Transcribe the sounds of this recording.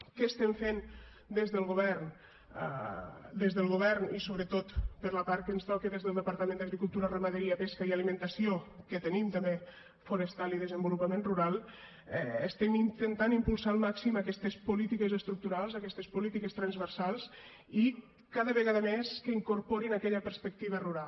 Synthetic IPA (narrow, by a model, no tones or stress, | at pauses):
kəːst̪ɛɱfen | d̪ezðəlˠɣoβɛrn̰ | d̪ezðəlˠɣoβ̞ɛrnisoβɾət̪ot̪pəɾləpaɾkənst̪ɔkəðezðəlˠd̪əpaɾt̪əmẽnd̪əɣɾikulˠt̪uɾərəməðəɾiəpeskəialimə̃nt̪əsiokət̪ənimt̪əmbe | fuɾəst̪aliðəzəmbulupəmẽnruɾalˠ | əst̪ɛmint̪ənt̪animpulˠsalˠmaksimakɛst̪əspulit̪ikəzəst̪ɾuk̚t̪uɾalˠzakɛst̪əspulit̪ikəst̪ɾanzβərsalˠz | i | kaðəβəɣaðəmeskəiŋkuɾpoɾinakɛʎəpəɾspək̚t̪iβ̞əruɾal